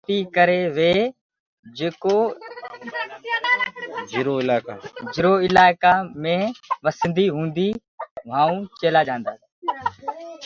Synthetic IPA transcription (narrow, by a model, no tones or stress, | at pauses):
t̪ikəɾeʋeː | d͡ʑeːko | d͡ʒɪɾoɪlaːkad͡ʒɪɾoːɪlaːɪkamẽːʋəsə̃nd̪iɦũːnd̪i | ʋaːũt͡ʃeːlad͡ʒãːn̆d̪aːs